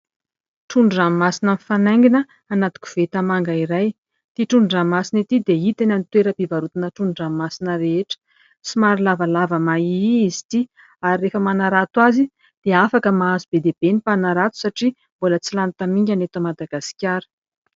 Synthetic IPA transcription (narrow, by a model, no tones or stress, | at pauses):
ʈ͡ʂuɳɖ͡ʐammasinənifanajŋɡinəː | nat̪u̥kʲu̥v̥et̪amaŋɡaiɾaj | t̪iʈ͡ʂuɳɖ͡ʐamasinit̪id̪eit̪enanit̪weɾəpivaɾut̪inəʈ͡ʂuɳɳɖ͡ʐammasinəɾeeʈ͡ʂə̥ | simaɾilavalavəmaiizi̥t̪i | aɾirefəmanaɾat̪wazi | d̪̥eafakəmaazubed̪eb̥enipanaɾat̪u̥saʈ͡ʂi | bolət͡silant̪amiɲɡʲanet̪omad̪aɡasi̥kʲaɾə̥